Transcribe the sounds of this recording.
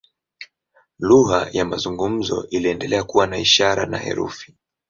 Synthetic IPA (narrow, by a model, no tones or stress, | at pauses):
luɦajamazuŋɡum̩zɔ̰ʔiliɛndɛlɛakuwanaiʃaɾa̰na̰hɛ̰ɾṵfi̥